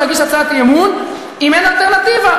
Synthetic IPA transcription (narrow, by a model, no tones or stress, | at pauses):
aɡiʃat͡sat̪jemun | imenalt̪eʁnat̪iva